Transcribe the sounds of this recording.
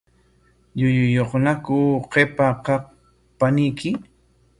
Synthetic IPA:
ʎʊjʊjoχnakʊqepaqɑq | panɪjkɪ

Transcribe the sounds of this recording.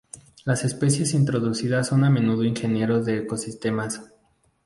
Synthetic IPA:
lase̞spe̞sje̞sint̪ɾo̞ðusiðasːo̞namẽ̞nuðoinxe̞nje̞ɾo̞ðe̞ːko̞sist̪e̞mas

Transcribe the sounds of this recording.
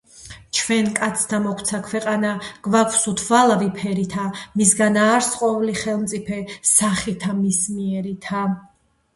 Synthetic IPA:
t͡ʃʰwɛnkʼat̪sʰt̪ʰamɔkʰt̪sʰakʰwɛqʼanaɡ̥vakʷʰsut̪ʰvalˠavipʰɛɾit̪ʰamisɡanaːɾsqʼɔvliχɛlˠmt̪sʼipʰɛsaχit̪ʰamismiɛɾit̪ʰa

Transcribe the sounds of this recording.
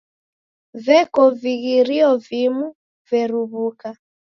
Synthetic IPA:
vɛkɔviɣiɾiɔvimu | vɛɾuβuka

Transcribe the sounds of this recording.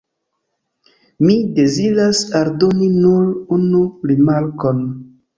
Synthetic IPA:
mide̞ziɾasaldo̞ninulunuɾimaɾkon

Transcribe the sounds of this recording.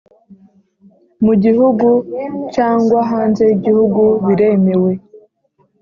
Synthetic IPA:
muɟiɦuɡucaːŋɡwaɦaːnze̞iɟihuɡuβiɾe̞mewe̞

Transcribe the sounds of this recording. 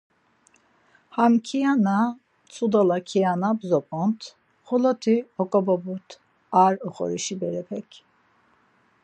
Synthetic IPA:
hamkʰijana | t͡sʰud̪alakʰianabzɔpʰʼɔnt̪ʰ | χɔlɔt̪ʰiɔkʼɔbabut̪ʰ | aɾɔχɔ̰ɾiʃibɛɾɛpʰɛkʲʰ

